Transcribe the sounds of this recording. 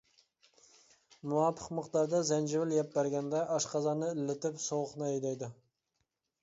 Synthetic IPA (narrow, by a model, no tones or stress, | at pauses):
muwɑpʰːəqməqd̪ɑɾd̪ɑzɛnd͡ʒɪvɪljɛp̚bæɾɡʲɛnd̪ɛʔɑʃqɑzɑnɨɪlːɪt̪ɪpsowəqnɨɛjd̪ɛɑjd̪ʊ